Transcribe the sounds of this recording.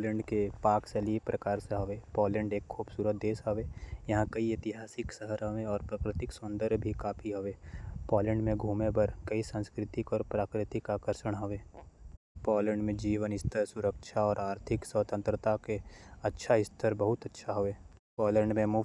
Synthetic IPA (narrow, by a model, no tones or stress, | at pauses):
lɛ̃ːɳɖkepaːkseliepɾʔɐkaːɾseɦoʋeːpɔːlɛ̃ːɳɖeːkkʰːuːbsuːɾət̪̚d̪eːsoʋeːjɐɦãkɐiɪt̪ɪɦaːsɪksəɦəɾõmẽɔːɾpɾakɾɪt̪ɪksʊ̃nd̪əɾbʱikaːpʰiɦoʋeːpɔːlɛ̃ːɳɖmẽɡʱuːmebəɾkɐisə̃nskɾɪt̪ɪkɔːɾpɾaːkɾɪt̪ɪkaːkəɾʃəɽɦoʋeː | pɔːlɛ̃ːɳɖmẽd͡ʒiːʋənɪst̪ʰəɾsʊɾəkʃʰaɔːɾaːɾt̪ʰɪksəːt̪ə̃nt̪ɾət̪akeɐtːʃʰaɪst̪ʰəɾbəɦʊt̪ɐtːʃʰaɦoeː | pɔːlɛ̃ːɳɖmẽmu